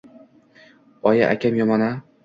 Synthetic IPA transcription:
ɒja̰ʔakʲʰamjɒmɒna

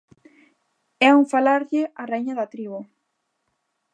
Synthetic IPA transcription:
ɛuŋfalaɾʎɪareijɲaðat̪ɾiβʊ

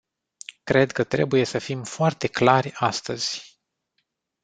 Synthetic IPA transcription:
kɾe̞d̪kət̪ɾe̞̰buje̞səfimfoart̪e̞klarʲast̪əz̥ʲ

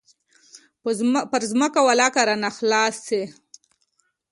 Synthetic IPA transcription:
pəɾzməkawalakaɾanaxlɑːsːe

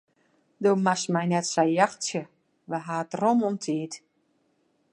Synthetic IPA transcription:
doːmasmɛjnɛtsɛjjaxsjə | ʋəɦaːtromomtʰiːt

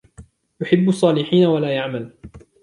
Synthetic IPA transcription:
jʊħɪbːʊsˤːɑːlɪħiːnawalaːjaʕmal

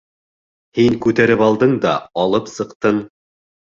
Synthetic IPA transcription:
hiŋkʉt̪æɾɘpɑlˠd̪ɤɴd̪ɑɑlˠɤpsɤ̆qt̪ɤɴ

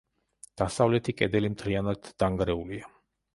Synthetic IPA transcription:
d̪̥asavlɛt̪ʰikʼɛd̪ɛlimt̪ʰlianad̪ːaŋɡɾɛulia

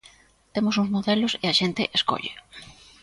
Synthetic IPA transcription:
t̪emʊsuŋzmoðelʊseɐʃent̪ɪʔeskɔ̰ʎḛ

